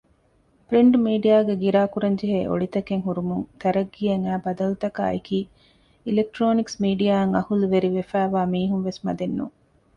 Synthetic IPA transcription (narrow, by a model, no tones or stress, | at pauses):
pɾiɳɖmiːɖijaːɡeɡiɾaːkuɾɐɲd͡ʒeɦḛːʔo̰ɭit̪ɐkeŋɦuɾumuŋt̪ɐɾɐɡːijɐŋæːbɐd̪ɐlut̪ɐka̰ːekiː | ilek̚ʈɾoːniksmiːɖijaːɐŋɐhuluʋeɾiʋefæːʋaːmiːɦunʋesmɐ̰d̪enːṵŋ